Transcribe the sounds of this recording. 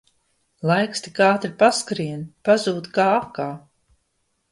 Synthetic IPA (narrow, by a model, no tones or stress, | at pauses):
lˠajkst̪ikaːt̪ɾipaskɾiɛnpazuːt̪kaːakaː